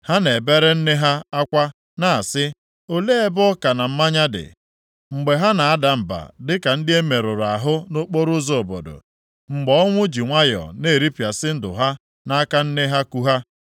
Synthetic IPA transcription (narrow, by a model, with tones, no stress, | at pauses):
ha˦ne˨be˦ɾe˦n̩˦ne˦ɦa˦a˦kʷa˦ | na˦˨a˨sɪ˦ | o˦le˦e˦bɔ˦ka˨na˨m̩˦ma˦ɲa˦dɪ̰˨ | ŋ͡m̩˨ɡ͡be˨ɦa˦na˨a˦da˨m̩˨ba̰˨dɪ˦ka˨n̩˦dɪ˦e˦me˨ɾʊ˨ɾa˨ɦʊ˦no˦k͡po˦ɾʊ˦zo˨o˨bo̰˨do̰˨ | ŋ͡m̩˨ɡ͡bɔ˦ɔ˦ŋʷʊ˦d͡ʒi˨ŋʷa˦jɔ̰˨ne˦˨ɾi˦pja˨sɪ˦n̩˦dʊ̰˨ɦa˦ | na˦a˦ka˦n̩˦ne˦ɦa˦ku˦ɦa˦